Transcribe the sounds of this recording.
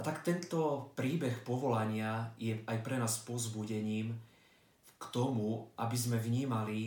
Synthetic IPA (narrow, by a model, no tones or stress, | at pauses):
at̪akt̪ɛnt̪ɔpɾiːbɛxpɔʋɔlaɲɪajɛajpɾɛnaːspɔzbuɟɛɲiːm | kt̪ɔmuʔabizmɛʋɲiːmali